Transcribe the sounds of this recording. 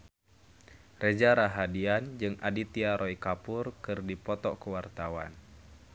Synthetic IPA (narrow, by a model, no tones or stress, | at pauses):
rʔed͡ʒaɾaɦadiand͡ʒɨŋʔadit̪iaɾɔikapurkɨrdipɔt̪ɔkəwart̪awa̰n